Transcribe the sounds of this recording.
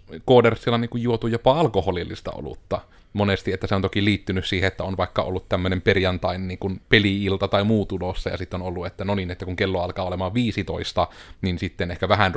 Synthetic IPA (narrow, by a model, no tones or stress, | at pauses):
koːdersːilːɑniːŋkujjuot̪ujopɑɑlkoholilːist̪ɑ̰o̰lṵt̪ːɑ | monest̪iet̪ːæseont̪okiliːt̪ːynyssiːheet̪ːæonʋɑˑikːɑo̰lːut̪t̪æmːønemperjɑnt̪ɑinnniːŋkunpeliilt̪ɑt̪ɑimuːt̪ulosːɑ̰jɑ̰sit̪ːeonolːuet̪ːænoninet̪ːækuŋkelːoɑlkɑːolemɑːʋʋiːsit̪o̰ist̪ɑninsit̪ːenehkæʋæhæn